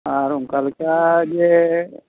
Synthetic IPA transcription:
aɾuŋkalkad͡ʒe

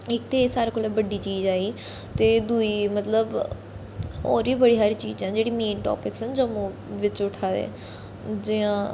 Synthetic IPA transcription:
ɪk̚t̪eːsaːɾeːkolabəɖiːt͡ʃiːd͡ʒaːiː | t̪eːd̪uiːmət̪ləb | ɔ̰ːɾiːbəɽiːɦaːɾiːt͡ʃiːd͡ʒãːd͡ʒeːɽiːmeːnʈɔ̰ːpɪksənd͡ʒəmõː | ʋɪt͡ʃʊʈʰaːd̪ḛ | d͡ʒɪãː

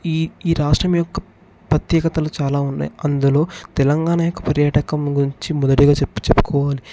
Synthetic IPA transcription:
iiːɾaːʂʈɾɐmjɔkːɐ | pɾɐt̪jɛːkɐt̪ɐlut͡ʃaːlaːunːa̰ːjiɐnd̪ulo̞ːt̪ɛlɐŋɡaːɳaːjɔkːɐ̥pɐɾjaːʈɐkɐmɡuɾiɲt͡ʃimɔd̪ɐʈiɡaːt͡ʃt͡ʃepːu̥kʰɔːʋaːli

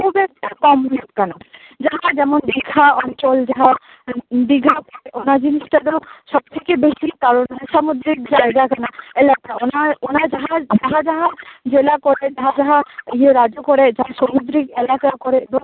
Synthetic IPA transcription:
kubɛk̚t̪ikɔmɦɔjɔt̪̚kana | d͡ʒaɦad͡ʒɛmɔnbiɡʱaɔnt͡ʃɔld͡ʒaɦa | biɡʱakɔɾeʔonad͡ʒinisʈad̪ɔsɔb̚t̪ʰekebesikaɾɔnɦɔsamud̪ɾik̚d͡ʒajɡakanaelakaɔnaonad͡ʒaɦad͡ʒaɦad͡ʒaɦad͡ʒelakɔɾed͡ʒaɦad͡ʒaɦaieɾad͡ʒokɔɾɛd͡ʒaɦasɔmud̪ɾikɛlakakɔɾɛb̪ɔ

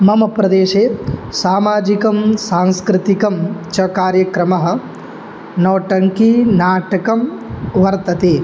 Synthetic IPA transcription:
mɐmɐpɾɐd̪eːʃeːsaːmaːd͡ʒikɐmsaːŋskɾɪt̪ikɐmt͡ʃɐkaːɾjɐkɾɐmɐɦɐ̆ | nɐːʈɐŋkinaːʈɐkɐmʋɐɾt̪ɐt̪eː

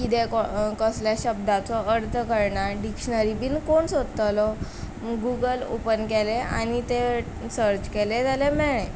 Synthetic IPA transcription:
kit̪ekɔkəsljaɕəb̚d̪at͡sɔəɾt̪ʰkəɾɳaɖikɕnəɾibiːnkoɳsod̪ət̪alɔ | ɡuɡəlo̰pənkelea̰ñit̪e | səɾt͡ɕkeled͡zalemɛɳẽ

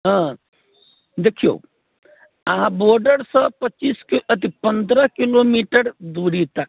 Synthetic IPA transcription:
ɦã | d̪eːkʰijo̰ː | ɐɦãboːɾɖəɾsəpət͡ʃiːskət̪ipə̃nd̪ɾəkiloːmiːʈəɾd̪uːɾit̪ak

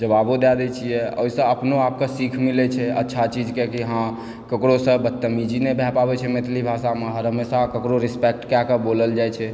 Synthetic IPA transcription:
d͡ʒəbabod̪ad̪et͡ʃʰiɛo̰ːisə̃əpnoaːp̚kesikʰmilet͡ʃʰɛə̰tːʃʰat͡ʃid͡ʒkekiɦã | kəkɾosə̃bət̪ːəmid͡ʒinebʱɛpabet͡ʃʰɛmet̪ʰlibʱasameɦəɾəmesakəkɾoɾispɛk̚ʈkjakəboləld͡ʒajt͡ʃʰɛ

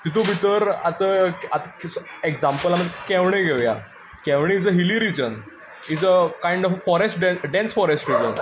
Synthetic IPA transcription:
t̪it̪ubʱit̪əɾat̪əat̪əsekd͡zãmpəlam̤ə̃kɛʋɳ̃eɡʱeʋja̰ | kɛ̃ʋɳ̃eid͡zəɦiliɾid͡ʑən | id͡zəkaiɳɖɔffɔɾesʈɖɛnɖɛ̃nsfɔɾesʈɾid͡ʑə̰n

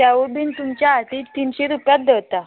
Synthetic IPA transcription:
jaʋuɾbʱiːnt̪umt͡ɕjaɦat̪it̪ːiːnɕeɾupjat̪̚d̪əʋt̪a

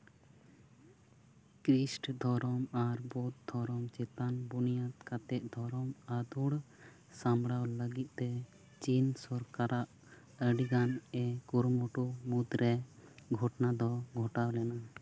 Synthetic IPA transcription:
kɾisʈd̪ʱɔɾɔmaɾbɔt̪̚d̪ʱɔɾɔmt͡ʃɛt̪anbunijat̪̚kat̪ɛʔ̪̚ˀd̪ʱɔɾɔmad̪uɽ | samɽawləɡit̪̚ˀt̪ɛ | t͡ʃinsɔɾkaɾaʔ | əɖiɡanɛkuɾmɔʈumud̪ɾɛɡʱɔʈnad̪ɔɡʱɔʈawlɛna

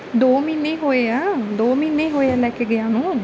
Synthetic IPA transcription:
d̪oːmiːneːɦoːeːaːd̪oːmiːneːɦoːeaːlɛːkeːɡɪãːnũː

